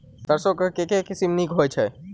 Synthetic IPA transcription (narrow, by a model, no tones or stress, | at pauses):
t̪əɾsokəkekekɪsimnikɦojt͡ʃʰe